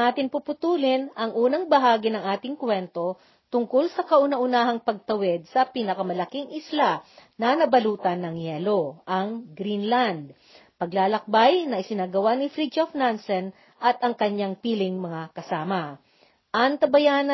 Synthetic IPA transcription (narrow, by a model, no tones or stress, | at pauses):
aːt̪ɪnpupʊt̪uːlɪnʔɐŋʔuːnɐŋbɐɦaːɡɪnɐŋʔaːt̪ɪŋkwɛnt̪o̞ | t̪ʊŋkolsɐkɐʔʊnɐʔʊnaːɦɐŋpɐɡ̚t̪ɐwɛd̪̚sɐpiːnɐkɐmɐlɐkiŋʔɪslanɐnɐbɐluːt̪ɐnːɐŋjɛːloʔɐŋɡɾinland̪̚ | pɐɡlaːlɐk̚bajnɐʔɪsɪnaːɡɐwanɪfɾid͡ʒofnansɛn | ʔɐt̪ʔɐŋkɐɲaŋpiːlɪŋmɐŋakɐsaːmɐ | ʔɐŋt̪ɐbɐjaːnɐ